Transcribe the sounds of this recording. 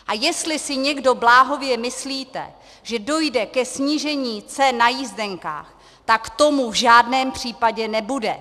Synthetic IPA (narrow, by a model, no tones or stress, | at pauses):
ʔajɛst̪lɪsɪɲɛɡdo̞blaːɦo̞vjɛmɪsliːt̪ɛ̰ | ʒɛdo̞jdɛkɛsɲiʒɛɲiːt͡sɛnːajizdɛŋka̰ːx | t̪akt̪o̞muvʒaːdnɛːmpr̥iːpaɟɛnɛbudɛ